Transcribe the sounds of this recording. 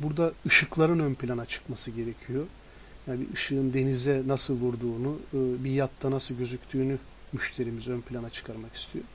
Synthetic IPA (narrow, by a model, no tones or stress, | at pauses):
buɾd̪aɯʃɯklˠaɾɯnønpʰilʲanat͡ʃʰɯ̥kmasɯɟe̞ɾe̞cʰijo̞ | janbḭɯʃɯɯnd̪e̞nizɛnasɯlˠvuɾd̪uːnuːbijat̪ːanasɯlˠɟø̞zycʲt̪ʰyːny | myʃt̪ʰe̞ɾimizø̞npʰʲlʲanat͡ʃʰɯ̥kʰaɾmaki̥st̪ʰijo